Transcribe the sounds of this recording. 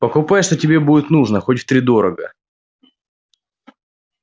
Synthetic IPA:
pəkʊpajʂt̪otʲɪbʲe̞budʲɪt̪nuʐnəxotʲft̪ɾʲɪd̪o̞ɾəɡə̰

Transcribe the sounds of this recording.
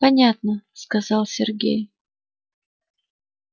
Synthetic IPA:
pɐnʲat̪nəskɐzɑlˠsʲɪrɡʲḛj

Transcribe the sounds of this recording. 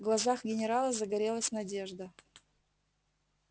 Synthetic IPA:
ɡlˠɐzaxɡʲɪnʲɪɾalˠəzəɡɐɾʲe̞lˠəsʲnɐdʲe̞ʐd̪ə

